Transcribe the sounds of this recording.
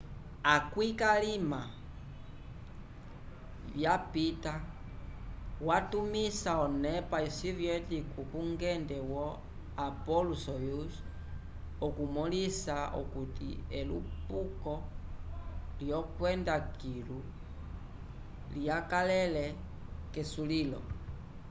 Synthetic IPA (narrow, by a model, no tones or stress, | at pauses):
akwikalima | βjapita | watumisaɔnɛpasiviɔtikukuŋɡɛndɛwɔ | apɔlusɔjus | ɔkumɔlisao̰kutḭɛlṵpukɔ | ljɔkwɛndakilu | liakalɛlɛ | kɛsulilɔ̰